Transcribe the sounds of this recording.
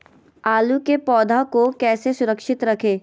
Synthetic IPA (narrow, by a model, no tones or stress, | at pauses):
aːlukepɔːd̪ʱakokɛːsesʊɾəkʃɪt̪ɾɐkʰeː